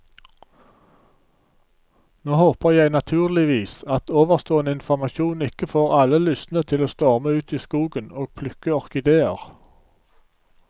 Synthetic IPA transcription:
noːhoːpəʁjæɪnɑt̪ʰʉːʁlɪʋiːsɑt̪oːʋəʁst̪oːənəɪnfɔʁmɑʃuːnɪkəfoːʁɑləlʏsnət̪ʰɪloːst̪ɔːʁməʉːt̪ʰiːskuːɡənoːɡ̚pʰlʉkəɔʁkɪd̪eːə̰ʁ

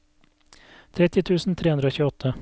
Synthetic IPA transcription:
t̪ʰɾɛt̪ɪt̪ʰʉːsn̩t̪ʰɾeːʉnd̪ɾoːçʉɔt̪ʰə

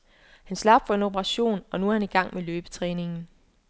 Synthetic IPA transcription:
hænslɑ̈b̥d̥fɒ̽e̝no̝bʰəʁɑ̈ɕo̝̰ːnɒ̽nuæɐhæniɡ̥ɑ̈ŋ̰meløːb̥ə̥t͡sʰʁɛːne̝ŋn̩

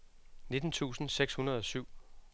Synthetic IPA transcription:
ne̝d̥n̩t͡sʰṵːsn̩seɡ̥shunɐð̞ˠɒ̽syʊ̰

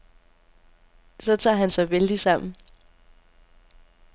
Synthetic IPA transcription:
sɒ̽t͡sʰɑ̰̈ːɦænsɑ̈ɪʋeld̥isɑ̈m̰n̩

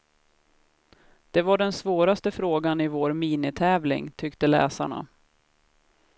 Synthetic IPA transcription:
d̪̥ɛvaɖɛnsvoːɾast̪əfɾoːɡanɪvoːɾmiːnɪt̪ʰɛːvlɪ̰ŋt̪ʰʏkt̪əlɛ̰ːsa̰ɳa̰

